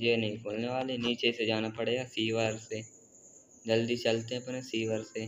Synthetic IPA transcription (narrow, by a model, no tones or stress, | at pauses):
jeːnɐɦĩkʰoːlneʋaːleniːt͡ʃesed͡ʒaːnapəɽeːɡasiːʋaɾse | d͡ʒəld̪it͡ʃɐlt̪eɦɛ̃pnẽsiːʋəɾse